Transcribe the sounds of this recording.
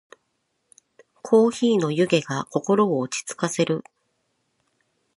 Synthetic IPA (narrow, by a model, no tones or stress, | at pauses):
kʰo̞ːçiːno̞jɯ̟ɡe̞ɡako̞ko̞ɾo̞ːt͡ɕi̥t͡sɨ̥kase̞ɾɯ̟